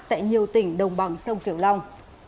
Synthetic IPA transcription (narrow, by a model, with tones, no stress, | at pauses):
t̪a̰ː˧˨jɲi˨˩əwt̪ï˧˩ŋ̟ɗə˨˩wŋ͡mɓa˨˩ŋsə˧wŋ͡mki˧˩əwla˧wŋ͡m